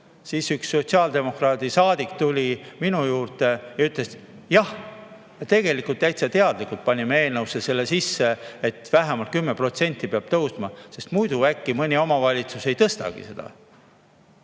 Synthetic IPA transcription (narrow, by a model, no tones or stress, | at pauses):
siːsyksːo̞t̪siɑːld̪e̞mo̞krɑːd̪̥isɑːd̪ikt̪ulʲiminujuːrt̪ejɑyt̪les | jɑh | jɑt̪e̞ɡ̥e̞likult̪ːæjt̪sɑt̪e̞ɑd̪̥likult̪̚pɑnʲimee̞ːlnɤwsese̞lːesisːe̞et̪væɦæmɑlt̪̚kymːepro̞t̪se̞nʲt̪ˑːipeɑb̥̚t̪ɤwsmɑse̞st̪mujd̪uækːimɤnʲio̞mɑvɑlʲit̪suse̞jt̪ɤst̪ɑ̰ɡ̥ḭse̞d̪̥ɑ̰